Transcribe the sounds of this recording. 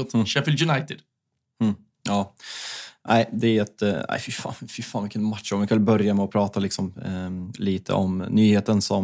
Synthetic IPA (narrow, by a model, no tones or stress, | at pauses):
ʃɛfɪljʉnaɪt̪ɪd̪̥̩ | ɑː | nʔæɪd̪ɛæɛt̪æ̰ɪfɪfɑ̰ːnfɪfɑːnvɪkːənmat̪ʂɔmvjɪkʰamɛlbœɾjamɛɔpʰɾɑːt̪alɪksɔm | liːt̪ʰə̰ʔɔmnyːheːt̪ənsɔm